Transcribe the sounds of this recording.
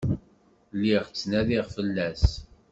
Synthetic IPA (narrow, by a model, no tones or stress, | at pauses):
lːiʁt͡sːnæðiʁfəlːæs